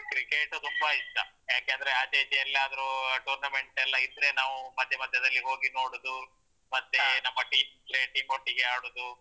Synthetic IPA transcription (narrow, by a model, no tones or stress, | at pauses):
kɾikeʈut̪umbɐit̪ːɐ | jaːkeɐnd̪ɐɾeɐd̪eːt̪ɛɐlːɐːd̪ɐɾuʈuːɾnɐme̞ɳʈɛlːɐid̪ːɾe̞naːʋumɐd̪ʱjɐmɐd̪ʱjɐd̪ɐlːiɦoːɡino̞ːɽud̪u | mɐt̪ːe̞nɐmːɐʈiːmid̪ɾe̞ʈiːmoʈːiɡeaːɽud̪u